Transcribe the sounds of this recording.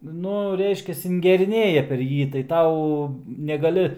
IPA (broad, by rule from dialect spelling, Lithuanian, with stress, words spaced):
ˈnʊ ˈrʲɛɪʃʲkʲɛs ɪŋʲɡʲɛrʲɪˈnʲeːjɛ pʲɛr ˈjiː tɐɪ ˈtɐʊ nʲɛɡɐˈlʲɪ